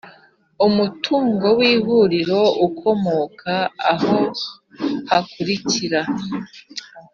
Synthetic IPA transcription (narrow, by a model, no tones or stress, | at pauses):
umutuːŋɡo̞wiːɦuɾiɾo̞ukʰo̞mo̞kʰaaho̞ | hakuɾiciɾa